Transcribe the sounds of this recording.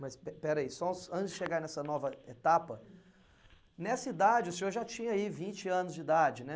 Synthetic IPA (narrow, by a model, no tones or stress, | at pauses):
mɐspɛpɛɾɐisɔʊsɐ̃t͡ʃɪzd͡ʒɪʃeɡaɾnɛsɐnɔvɐet̪apɐ | nɛsɐid̪ad͡ʒɪʊsẽoɾʒat͡ʃĩɲɐaivĩnt͡ʃɪɐ̃nʊzd͡ʒɪid̪ad͡ʒɪnɛ